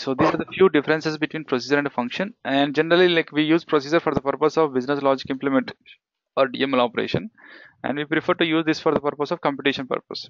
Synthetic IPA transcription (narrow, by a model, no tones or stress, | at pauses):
soːd̪eːaɾd̪əfjuːɖɪfəɾə̃nsesbɪʈwĩːnpɾosiːd͡ʒəɾɛ̃ɳɖfʌ̃ŋkʃə̃nɛ̃ɳɖ̚d͡ʒɛnəɾəlilaɪkʋiːjuːzpɾosiːd͡ʒəɾfɔːɾd̪əpəɾpəsɔʋbɪznəslɔːd͡ʒɪkɪ̃mplimẽɳʈ | ɔːɾɖḭẽmlɔːpəɾḛːʃə̃næ̰̃ɳɖʋiːpɾifəɾʈujuːzd̪ɪsfɔːɾd̪əpəɾpəsɔʋkɔ̃mpjɪʈiʃə̃npə̰ɾpə̰s